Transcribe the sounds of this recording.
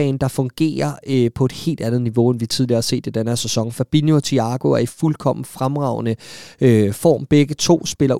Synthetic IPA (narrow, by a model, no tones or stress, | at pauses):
ɛ̰ɪnd̥ɑ̈fɔ̽ŋɡ̥e̝̰ːɐpʰɒ̽e̝d̥he̝̰ːld̥ænð̩ˠniʋo̝enʋit͡sʰið̞ˠliɐhɑse̝̰ːd̥ed̥ænɐsesɒ̽ŋ̰n̩fæb̥injo̝t͡sʰiɑ̈ɡ̥o̝æɐifulkʰɒ̽m̰n̩fʁamʁɑ̈ʊnəøfɒ̰ːmb̥eɡ̥ət͡sʰo̝̰ːsb̥e̝lɐ